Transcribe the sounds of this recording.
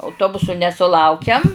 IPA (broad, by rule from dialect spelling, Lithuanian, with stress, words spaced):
ɐʊˈtoːbʊsʊ nʲɛsʊˈlˠɐʊkʲɛm